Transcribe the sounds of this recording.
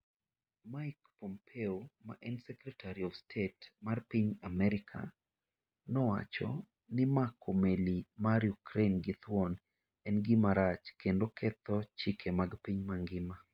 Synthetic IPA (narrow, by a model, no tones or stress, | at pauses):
majkpɔmpʰeoma̰ʔɛnsɛkɾɛtʰaɾiɔfstʰetmarpiɲamɛɾɪkʰa̰ | nɔwa̰t͡ʃɔ̰ | nɪmakʰomelimaɾjukɾenɡɪt̪wɔn | ɛnɡɪmaɾat͡ʃkendokʰɛt̪ɔt͡ʃikʰemaɡpiɲmaŋɡɪma